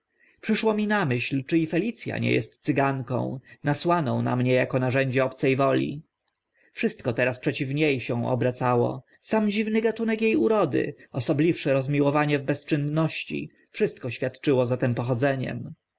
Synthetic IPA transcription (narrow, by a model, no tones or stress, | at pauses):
pʂɘʂwɔmʲinamɘɕlt͡ʂɘifɛlʲit̪sʲja̰ɲɛ̰jɛ̰st̪sɘɡaŋkɔ̰̃w̃naswanɔ̃w̃na̰mɲɛjakɔnaʐɛɲd͡ʑɛɔpt̪sɛjvɔlʲḭ | fʂɘst̪̚kɔt̪ɛɾaspʂɛt͡ɕivɲejɕɛ̃w̃ɔ̰bɾat̪sawɔ̰ | samd͡ʑivnɘɡat̪unɛkjejuɾɔd̪ɘ̰ɔsɔblʲifʂɛɾɔzmʲiwɔvaɲɛvbɛst͡ʂɘnːɔɕt͡ɕḭ | fʂɘst̪̚kɔɕfʲjat̪t͡ʂɘwɔzat̪ɛmpɔxɔd̪zɛɲɛ̰m